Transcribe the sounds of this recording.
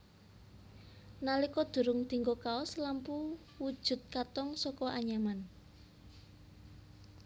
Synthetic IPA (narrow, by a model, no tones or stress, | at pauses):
nalikɔd̪̥ṳɾʊŋd̪̥i̤ŋɡokaɔslampu | wud̥ʒ̥ʊ̤t̪̚kat̪ɔŋsɔkɔʔaɲaman